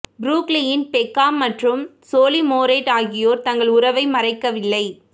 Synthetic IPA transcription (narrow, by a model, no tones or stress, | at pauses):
bɾuːklɪjɪnpɛkːaːmːɐʈrɯmsoːlimoːɾeːʈaːɣɪjoːɾt̪ɐŋɡɐɭʊrɐʋɐɪmɐrɐɪkːɐʋɪlːɐɪ